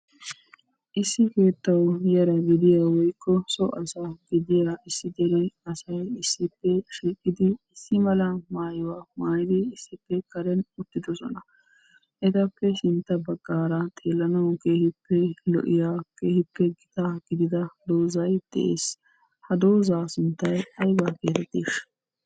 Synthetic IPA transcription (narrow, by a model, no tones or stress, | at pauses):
ʔɪsːɪke̞ːt̪ːɐwjɐɾɐɡɪd̪ɪjaːwɔjkːɔsɔʔɐsaɡɪd̪ɪjaɪsːɪd̪ɛɾɛɐsɐjɪsːɪpːɛʃiːkʼːɪd̪ɪːsːɪmɐlɐmaːjɪwaːmaːjɪd̪ɪːsːɪpːɛkɐɾɛnʊt̪ːɪd̪ɔsɔ̰nɐ | ʔɪt̪ɐpːɛʃɪnt̪ːɐbɐɡːaːɾɐt̪ʰeːlːɐnɐwkeːhɪpːɛlɔ̰ʔɪjaːkeːhɪpːɛɡɪt̪aɡ̥ɪd̪ɪd̪ɐd̪oːzɐjd̪̥ɛ̰ʔeːs | hɐd̪oːzaːsʊnt̪ːɐjɐjbaːkeːt̪ɛt̪ːeːʃ